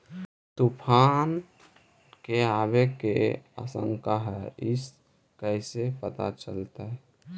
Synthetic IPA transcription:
t̪upʰan | keabekḛa̰sə̰̃ŋkaɦɛɪs | kɛɪsepət̪a̰t͡ʃəlt̪aɛ

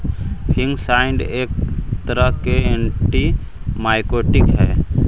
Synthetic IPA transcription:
pʰɪ̃ŋɡsaɪɳɖeːk̚t̪əɾəɦkeeɳʈi | maːɪkoʈɪkɦɛː

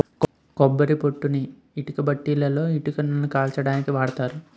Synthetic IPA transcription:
k | kɔbːɐɾipo̞ʈːuniː | ʈukɐbɐʈːiːlɐlo̞ːiʈukɐnːɐnːukaːlt͡ʃɐɽaːnikiʋaːɽɐt̪aːɾu

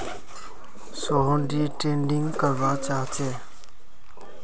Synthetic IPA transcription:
soːɦõɳɖiːʈẽːɳɖɪŋɡkəɾʋaːt͡ʃaːɦt͡ʃeː

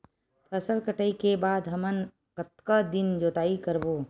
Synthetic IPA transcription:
pʰɐsəlkəʈəikebaːd̪ɦɐmən | kɐt̪kad̪ɪnd͡ʒoːt̪aːikɐɾboː

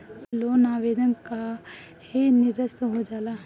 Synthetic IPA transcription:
loːnaːʋeːd̪ənka | hinɪd̪əst̪ɦod͡ʒaːlaː

